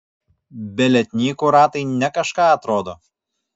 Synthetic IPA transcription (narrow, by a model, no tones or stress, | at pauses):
bʲɛlʲɛt̪ʲnʲiːkʊɾɑːt̪ɐɪnʲɛkɐʃkɑːɐt̪ɾoːd̪oː